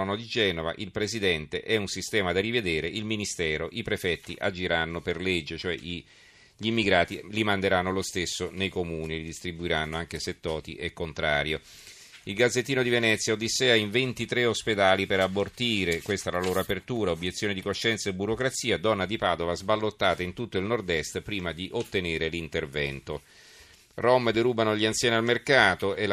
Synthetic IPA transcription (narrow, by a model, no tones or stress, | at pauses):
nod̪id͡ʒɛːnova̰ʔilpɾesid̪ɛnt̪eʔɛunsist̪ɛːmad̪arived̪eːɾeʔilminist̪ɛːɾoʔipɾefɛt̪ːḭʔa̰d͡ʒiɾanːoperled͡ʒːet͡ʃoɛ̰i | ʎimːiɡɾaːt̪ilimand̪eɾanːolost̪esːonejkomuːnilid̪ist̪ɾibuiɾanːoaŋk̟eset̪ːɔːt̪ḭʔɛkːont̪ɾa̰ːɾjo | ilɡad̪zːet̪ːiːnod̪ivenɛt̪sːjaod̪ːisːɛːaiɱvent̪it̪ɾeosped̪aːlipeɾabːort̪iːɾekwest̪aɛlaloːɾoapert̪uːɾaobjet̪sːjoːned̪ikoʃːɛnt̪saebuɾokɾat̪siːad̪ɔnːad̪ipaːd̪ovazbalːot̪ːaːt̪aint̪ut̪ːoilnord̪ɛst̪pɾiːmad̪iʔot̪ːeneːɾelint̪ervɛ̰nt̪o | romːd̪eɾuːbanoʎiansjɛːnialmerkaːt̪oe